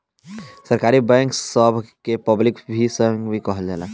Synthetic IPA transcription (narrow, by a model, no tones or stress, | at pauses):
sɐɾkaːɾibɛ̃ːŋksəbʱkepəblɪkbʱisə̃ŋɡbʱikɔɦəld͡ʒaːlaː